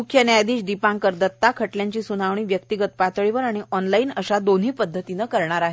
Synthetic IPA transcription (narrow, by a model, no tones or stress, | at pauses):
mukʰjənjajd̪iːɕd̪ipãŋkəɾd̪ət̪ːakʰəʈljaɲt͡ɕiːsunaʋɳ̃iːʋjək̚t̪iɡət̪pat̪ɭiʋəɾaɽ̃iʔɔnlainəɕad̪onɦiːpəd̪ʱːət̪inəːkəɾɳaɾaɦe